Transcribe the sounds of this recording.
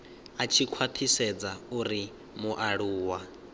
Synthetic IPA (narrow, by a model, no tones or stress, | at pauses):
at͡ʃʰikʰwat̪ʰisɛd͡zauɾi | muʔaɺuːwa